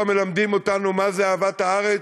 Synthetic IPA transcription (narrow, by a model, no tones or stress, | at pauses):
me̞lamd̪imo̞t̪anumazeaːvat̪haaʁe